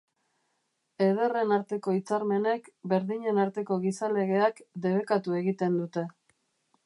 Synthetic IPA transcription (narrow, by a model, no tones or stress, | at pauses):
e̞ð̞e̞re̞naɾt̪e̞ko̞it͡saɾme̞ne̞kbe̞ɾðiɲe̞naɾt̪e̞ko̞ɣisale̞ɣ̞e̞akd̪e̞β̞e̞kat̪ue̞ɣit̪e̞nd̪ut̪e̞